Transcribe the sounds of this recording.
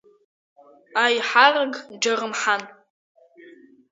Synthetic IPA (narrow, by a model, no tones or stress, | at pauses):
ajħaraɡd͡ʒarɨmħan